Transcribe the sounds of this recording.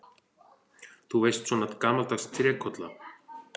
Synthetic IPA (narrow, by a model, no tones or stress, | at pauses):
θuvejst̪sɔːnat̪kaːmalt̪akst̪ʰɾɛkʰɔt̪la